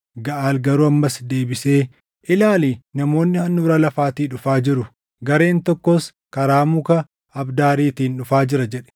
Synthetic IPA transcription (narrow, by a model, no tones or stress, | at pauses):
ɡɐʔaːlɡɐɾuɐmːɐsd̪e̞ːbɪseː | ʔɪlaːliːnɐmo̞ːnːɪhɐnːʊɾɐlɐfaːt̪iːᶑʊfaːd͡ʒɪɾʊ | ɡɐɾe̞ːnt̪ɔkːɔs | kɐɾaːmukɐ | ɐbd̪aːɾiːt̪iːnᶑʊfaːd͡ʒɪɾɐd͡ʒɛᶑɛ̥